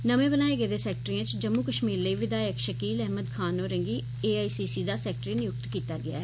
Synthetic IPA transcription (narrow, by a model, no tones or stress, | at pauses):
nəmẽːbənaːeːɡeːd̪eːsɛːk̚ʈɾiãːt͡ʃd͡ʒəmːuːkəʃmiːɾləiːʋɪd̪aːjəkʃəkiːlɛɦməd̪kʰaːnɔːɾə̃ŋɡiː | eːaːiːsiːsiːd̪aːsɛːk̚ʈɾinɪjʊk̚t̪kiːt̪aːɡɪa̰ːɛː